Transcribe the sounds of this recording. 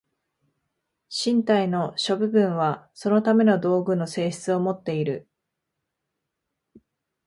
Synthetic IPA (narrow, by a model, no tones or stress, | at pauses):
ɕĩnt̪aino̞ɕo̞bɯ̟bɯ̟̃ɰ̃βaso̞no̞t̪ame̞no̞d̪o̞ːɡɯ̟no̞se̞ːɕi̥t͡sɨo̞mo̞t̪ːe̞iɾɯ̟